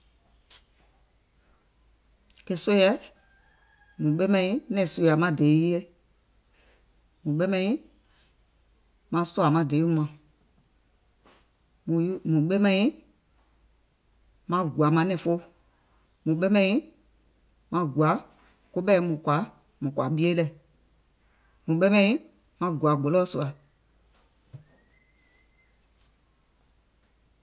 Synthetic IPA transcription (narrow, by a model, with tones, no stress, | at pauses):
kɛ˧so˦jɛ˧˦ | mũ˨ɓe˦mɛ̃˧ĩ˦nɛ̃˨so˧˨ja˨mã˧˦˨de˨˦je˦ | mũ˨ɓe˦mɛ̃˧ĩ˦ | mã˧˦so˦a˨mã˨˧˨de˨˦mã˨ | mũ˨ɓe˦mɛ̃˧ĩ˦ | mã˧ɡu˨a˨˦mã˧˦nɛ̃˨fo˦ | mũ˨ɓɛ˦mɛ̃˧˦ĩ˦ | mã˧ɡu˨a˨˦ | ko˦ɓɛ˦mũ˨kwa˨˦ | mũ˨kwa˨ɓi˦e˦lɛ˧˨ | mũ˨ɓɛ˦mɛ̃˧˦ĩ˦ | mã˧ɡwa˨ɡɔ˨lɔ˦su˨a˨